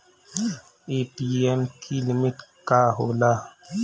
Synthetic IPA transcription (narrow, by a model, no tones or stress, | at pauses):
epiɛmkʰilimiʈkaɦola